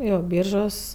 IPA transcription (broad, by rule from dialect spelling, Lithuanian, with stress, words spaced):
ˈjoː ˈbʲiːrʒoːs